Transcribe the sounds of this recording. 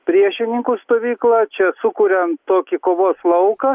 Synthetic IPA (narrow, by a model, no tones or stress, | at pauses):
pʲɾʲiɛʃʲɪnʲɪŋkʊst̪oːʋʲiːklˠɑt͡ʃʲɛsʊkuːɾʲɛnt̪oːkʲɪkoːʋoːslˠɐʊkɐ